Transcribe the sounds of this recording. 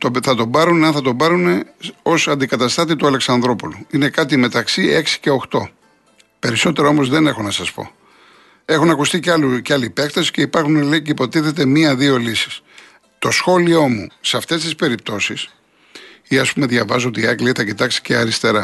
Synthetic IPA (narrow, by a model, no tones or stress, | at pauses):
t̪oθɐt̪o̞bɐɾuneɐnθɐt̪o̞bɐɾune̞o̞sɐnd̪ikɐt̪ɐst̪ɐt̪it̪uɐleksɐnðɾo̞puluine̞kɐt̪ime̞t̪ɐksie̞ksi̥ce̞o̞xt̪o̞̰ | pe̞ɾiso̞t̪e̞ɾɐomo̞zðe̞ne̞xo̞nɐsɐspo̞̰ | e̞xunɐkust̪icɐluceɐlipe̞kt̪ɐsi̥ce̞ipɐɾxuneleceipo̞t̪iθe̞t̪e̞miɐðio̞lisi̥s | t̪o̞sxo̞lio̞museɐft̪e̞st̪ispe̞ɾip̚t̪o̞sis | iɐspume̞ðʝɐvɐzot̪iɐkliiθɐcit̪ɐksi̥ce̞ɐɾist̪e̞ɾɐ